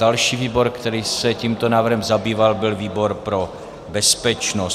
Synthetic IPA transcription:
alʃiːviːbo̞ɾkt̪ɛɾiːsɛciːmt̪onaːvr̩ɦɛmzabiːvalbɪlviːbo̞ɾpɾo | bɛspɛt͡ʃnos

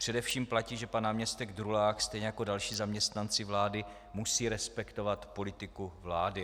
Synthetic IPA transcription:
pr̝̥ɛdɛfʃiːmplaciːʒɛpanaːmɲɛst̪ɛɡd̪ɾulaːxst̪ɛjɲɛjako̞dalʃiːzamɲɛst̪nant͡sɪvlaːdɪ | musiːɾɛspɛkt̪o̞vat̪po̞lɪt̪ɪkuvlaːdɪ

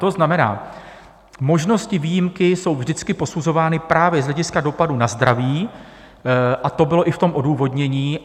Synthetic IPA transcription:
t̪o̞znamɛna̰ː | mo̞ʒno̞scɪviːjɪmkɪso̞wvʒdɪt͡skɪpo̞suzo̞vaːnɪpɾaːvjɛzɦlɛɟɪskado̞padunazd̪ɾaviː | ʔat̪o̞bɪlo̞ʔɪft̪o̞mʔo̞duːvo̞dɲɛɲiː

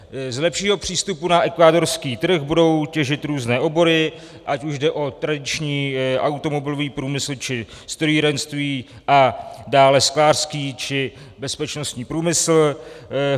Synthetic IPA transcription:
zlɛpʃiːɦo̞pr̝̥iːst̪upunaʔɛkvaːdo̞ɾskiːt̪r̩xbudo̞wcɛʒɪt̪ɾuːznɛːʔo̞bo̞ɾɪ | ʔacuʒdɛʔo̞t̪ɾadɪt͡ʃɲiːʔawt̪o̞mo̞bɪlo̞viːpɾuːmɪsl̩t͡ʃɪ | st̪ɾojiːɾɛnst̪viː | ʔadaːlɛsklaːr̥skiːt͡ʃɪ | bɛspɛt͡ʃno̞st̪ɲiːpɾuːmɪsl̩

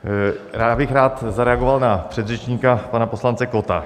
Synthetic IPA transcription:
ɾaːbɪxɾaːt̪zaɾɛaɡovalnapr̥ɛd̪rɛt͡ʃɲiːkapanaposlant͡sɛkot̪a

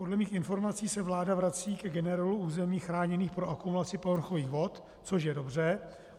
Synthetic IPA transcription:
po̞dlɛmiːxɪnfo̞ɾmat͡siːsɛvlaːdavɾat͡siːkɛɡɛnɛɾaluuːzɛmiːxɾaːɲɛniːxpɾoʔakumulat͡sɪpovr̩xo̞viːɣvo̞t̪ | t͡so̞ʃ̬jɛdo̞br̝ɛ

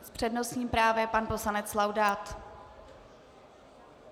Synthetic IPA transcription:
spr̥ɛdnosɲiːmpɾaːvjɛpanpo̞slanɛt͡slawdaːt̪

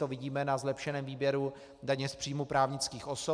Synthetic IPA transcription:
ovɪɟiːmɛnazlɛpʃɛnɛːmviːbjɛɾu | daɲɛspr̝̥iːjmupɾaːvɲɪt͡skiːxʔo̞so

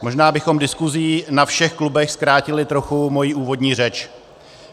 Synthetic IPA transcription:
mo̞ʒnaːbɪxo̞mdɪskuziːnafʃɛxklubɛxskɾaːcɪlɪt̪ɾo̞xumo̞jiːʔuːvo̞dɲiːrɛt͡ʃ

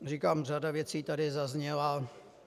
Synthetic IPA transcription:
riːkaːmr̝adavjɛt͡siːt̪adɪzazɲɛla

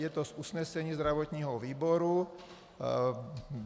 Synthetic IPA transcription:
jɛt̪ɔzusɲɛsɛɲiːzd̪ɾaʋɔt̪ɲiːɦɔʋiːbɔɾu

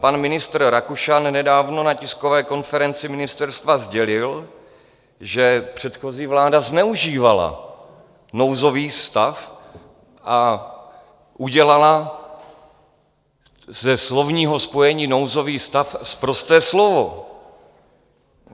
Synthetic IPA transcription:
panmɪnɪst̪rɾakuʃannɛdaːvno̞nacɪsko̞vɛːko̞nfɛɾɛnt͡sɪmɪnɪst̪ɛɾst̪vazɟɛlɪl | ʒɛpr̝̥ɛt̪xo̞ziːvlaːdaznɛuʒiːvala̰ | no̞wzo̞viːst̪af | ʔa | ʔuɟɛlala | zɛslo̞vɲiːɦo̞spo̞jɛɲiːnowzo̞viːst̪afspɾo̞st̪ɛːslo̞vo̞

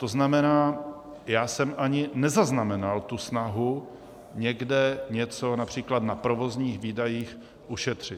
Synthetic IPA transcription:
t̪o̞znamɛnaː | jaːsɛmʔaɲɪnɛzaznamɛnalt̪usnaɦu | ɲɛɡdɛɲɛt͡so̞napr̝̥iːklat̪napɾo̞vozɲiːxviːdajiːx | ʔuʃɛt̪r̝̥ɪt̪

